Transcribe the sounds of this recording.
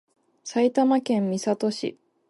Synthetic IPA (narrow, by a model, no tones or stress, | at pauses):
sait̪amakẽ̞mːʲisat̪o̞ɕḭ